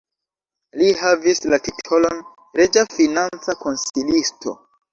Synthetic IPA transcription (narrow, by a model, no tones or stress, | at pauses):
lihavislatitʰolo̞n | ɾed͡ʒafinant͡sako̞nsilistʰo̞̰